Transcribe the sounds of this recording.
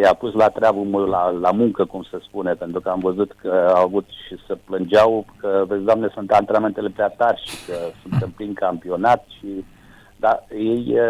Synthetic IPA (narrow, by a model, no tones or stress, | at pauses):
japuslat̪ɾeabumolalamuŋkəkumsəspunepent̪ɾukəamvəzut̪kəaavut̪ʃisəplɨnd͡ʒawkəvet̪sd̪oamnesunt̪ant̪ɾename̞nt̪ele̞pɾeat̪arʲʃikəsunt̪ɨmpliŋkampio̞nat̪ʃi | d̪aje̞j